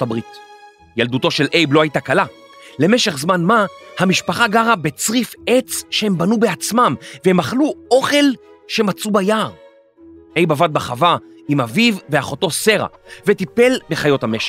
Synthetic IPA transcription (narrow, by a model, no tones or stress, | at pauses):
abʁit | jalduto̞ʃe̞lʔejbloajtakala | le̞meʃe̞χzmanmahamiʃpaχaɡaʁabet͡sʁifet͡sʃee̞mbanubeat͡smamvehemaχluo̞χe̞l | ʃe̞mat͡subajaːʁ | e̞jbavad̪̚baχava | imavivːeaχo̞to̞se̞ʁa̰ | vetipe̞lbe̞χajo̞thame̞ʃe̥